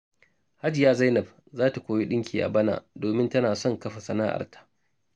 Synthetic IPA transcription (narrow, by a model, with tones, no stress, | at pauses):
ha˦d͡ʒɪ˨jaː˦za˦jnɐ˨b̚ | zaː˦ta˨kʷoː˦mi˦ɗɪ˦ŋkʲʰiː˨ʔa̰˨bɐ˦na̰ː˨doː˨mɪ˦ntɐ˦naː˨sɔ˦˨ŋkɐ˦ɸa˨sɐ˦naː˦ʔa̰˨rtʰḁ˦ʔ